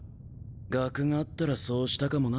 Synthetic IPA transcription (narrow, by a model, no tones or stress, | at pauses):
ɡakɯ̟ŋaːt̪ːaɾaso̞ːɕi̥t̪akamo̞na